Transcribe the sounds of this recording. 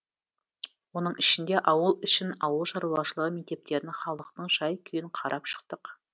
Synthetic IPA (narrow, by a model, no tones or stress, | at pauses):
wo̞nəɴɪʃɪnd̪e̞ʔɑwəlˠʏʃɪnɑwəlˠʃɑɾuɑʃəlˠəʁəme̞k̚t̪e̞p̚t̪e̞ɾɪnχɑlˠəqt̪əɴʒɑjkʲʰʏjɪɴqʰɑɾʔɑpʃə̥qt̪əq